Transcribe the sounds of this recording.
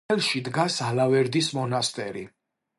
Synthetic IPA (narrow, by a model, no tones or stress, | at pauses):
ɛlˠʃid̪ɡasalavɛɾd̪ismɔnast̪ʼɛɾi